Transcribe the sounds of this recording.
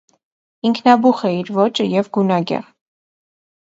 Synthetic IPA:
iŋkʰnɑbuχɛiɾvɔt͡ʃəjɛvɡunɑɡɛ̰ʁ

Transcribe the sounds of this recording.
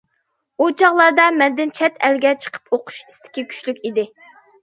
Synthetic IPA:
ut͡ʃʰɑʁlˠɑɾd̪ɑmɛnd̪ɪnt͡ʃʰɛt̪ʰɛlɡʲɛt͡ʃʰə̥qʰə̥pʰoqʰʊ̥ʃi̥st̪ʰɪ̥kʲikʲʰy̥ʃlykʲid̪ɪ

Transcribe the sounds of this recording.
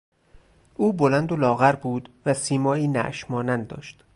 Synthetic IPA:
ʔuːbolænd̪olɒːɣæɾbuːd̪væsiːmɒːiːnæ̰ʔʃmɒːnænd̪ɒ̰ːʃt̪

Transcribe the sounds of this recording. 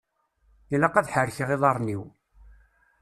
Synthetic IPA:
ilɑqɑðħəɾçʁeðˤɑɾˤniw

